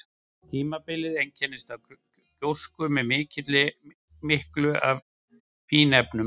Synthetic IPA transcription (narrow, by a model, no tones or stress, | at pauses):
t̪ʰiːmapɪlɪðejŋcʰɛnːɪst̪av | cowskʏmɛðmɪːcɪt̪lɪ | mɪhklʏʔa̰v | fiːnɛpnʏ